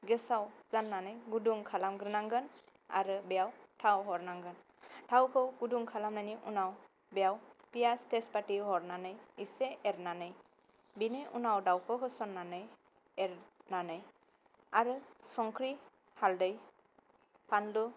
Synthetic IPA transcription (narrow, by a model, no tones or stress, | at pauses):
ɡɯsawz̥anːanɯjɡuduŋkʰalamɡɾɯnaŋɡɯn | a̰ɾɯbejawtʰawɦɔɾnaŋɡɯn | tʰawkʰɯwɡ̥uduŋkʰalamnajniʔunaw | bejawpijastɛspatiɦɔɾnanɯjiseʔɛɾnanɯj | binɯjunawdawkʰɯkʰɯsɔnːanɯj | ɛɾnanɯj | aɾɯsɔŋkʰɾi | haldɯj | pʰanlu